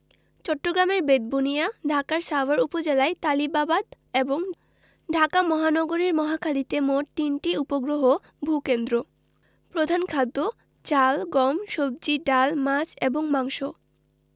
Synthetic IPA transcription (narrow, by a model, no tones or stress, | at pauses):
t͡ɕɔʈːoɡɾameɾbed̪̚bunijaɖʱakaɾsabaɾupod͡ʑelaet̪alibabad̪ | eboŋ | ɖʱakamɔɦanɔɡoɾiɾmɔɦakʰalit̪emoʈ̚ʈinʈiupoɡɾoɦo | bʱukend̪ɾo | pɾod̪ʱankʰad̪ːo | t͡ɕalɡɔmʃob̚d͡ʑiɖalmat͡ɕeboŋmaŋʃo